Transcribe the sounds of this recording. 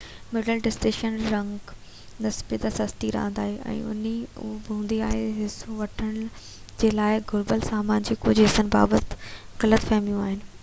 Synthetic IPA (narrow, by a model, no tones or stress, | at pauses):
mɪɖəlɖɪsʈeːʃənɾɐ̃ŋɡ | nɐsbit̪ɐsɐst̪iɾɐ̰ɦə̃nd̪a̰ːɦeʔɛ̰̃ːʊ̰niʊ̰bũːnd̪iaːɦeɦɪsũʋɐʈʰəɽ̃ | d͡ʑeːlaːɪɡʱʊɾbəlsaːmaːnd͡ʑikʊd͡ʑɦɪsənɪ̆ba̰ːbət̪ɣɐlət̪fɐɦmijũaːɦɪnɪ̆